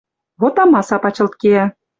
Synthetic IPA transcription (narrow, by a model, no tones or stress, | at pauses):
βot̪ɑmɑsɑpɑt͡ɕɤ̆lt̪̚keæ